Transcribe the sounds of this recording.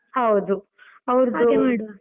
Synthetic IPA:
hɐwd̪u | ɐʋɾd̪u

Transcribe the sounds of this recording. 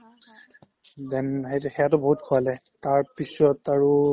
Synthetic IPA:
dɛmɦejtɛxɛjatɔbɔɦut̚kʰɔalɛ | taɹpisɔtaɹu

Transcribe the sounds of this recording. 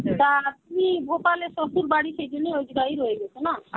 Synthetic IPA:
t̪at̪inibʱopaleʃosuɾbaɽiʃejd͡ʒonːiojd͡ʒɡaiɾojeɡɛt͡ɕʰena

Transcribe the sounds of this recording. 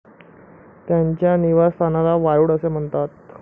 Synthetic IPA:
t̪jaɲt͡ɕjaniʋast̪ʰanalaʋajuːɽəsem̤əɳt̪at̪̚

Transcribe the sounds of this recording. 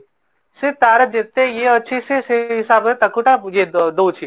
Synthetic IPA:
set̪aːɾəd͡ʒet̪ːẽjeɐtːʃʰiseseɦɪsaːbet̪ɐkʰʊʈajed̪oːt͡ʃʰi

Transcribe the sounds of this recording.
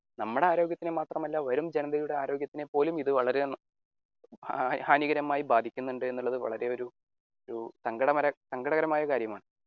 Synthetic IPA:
nɐmːuɽe̞aːɾo̞ːɡjɐt̪ːinemaːt̪rɐmɐlːaʋɐɾumd͡ʑe̞nɐðɐjuɽe̞aːɾo̞ːɡjɐt̪ːinepːo̞ːlumiðɨʋɐɭɐɾe̞ | haːniɣɐɾɐmːaːjibaːd̪ʱikʲːunːuɳɖɨe̞nːuɭːɐðɨʋɐ̰ɭɐɾe̞o̞ɾu | oɾusɐŋɡɐɽɐmɐɾɐsɐŋɡɐɽɐɣɐɾɐmaːjɐkaːɾjɐmaːɳɨ

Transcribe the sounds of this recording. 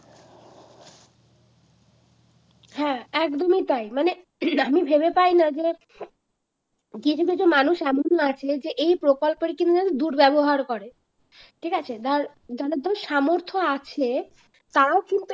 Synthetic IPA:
hɛ̃ɛkd̪omit̪ajmane | amibʱebepajnad͡ʑe | kit͡ɕʰukit͡ɕumanuʃɛmonat͡ɕʰed͡ʑeʔejpɾokolpeɾkint̪uat̪od̪uɾbɛboɦaɾkɔɾe | ʈʰikat͡ɕʰed̪aɾ | d͡ʑaɾad̪ɔeʃamoɾt̪ʰoat͡ɕʰe | t̪aɾaokint̪u

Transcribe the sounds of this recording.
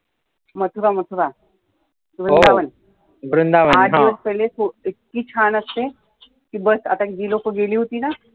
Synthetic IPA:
mət̪ʰubamət̪ʰuɾa | ɡɾund̪aʋən | ɡɾund̪aʋəɦad̪ɦiʋəspəjlesoet̚kiːt͡ɕʰanəst̪e | kibəsat̪akid͡ʑiːlokəɡeliːɦot̪iːna

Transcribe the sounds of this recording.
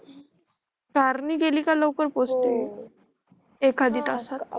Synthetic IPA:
kaɾniːɡeliːkaləwkəɾpost̪e | ekʰad̪iːt̪asat̪

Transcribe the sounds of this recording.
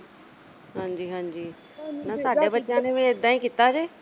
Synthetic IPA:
ɦãːɲd͡ʑiːɦãːɲd͡ʑiː | nasaːɖʱebət͡ɕaːnemẽd̪ʱãːĩkɪt̪ad͡ʑeː

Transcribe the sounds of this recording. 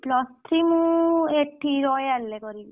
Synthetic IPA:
plɔstʰɾimũekʈʰːiɾɔjalːekɔɾil

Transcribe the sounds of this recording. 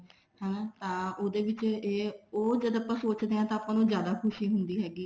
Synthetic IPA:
ɦɛ̃t̪ãːoːd̪eːʋɪt͡ʃeːoːd͡ʒəd̪apãːsoːt͡ʃd̪eːãːt̪ãːpãːnũːzjaːd̪aːkʰʊʃiːɦʊnd̪iːɦɛːɡiː

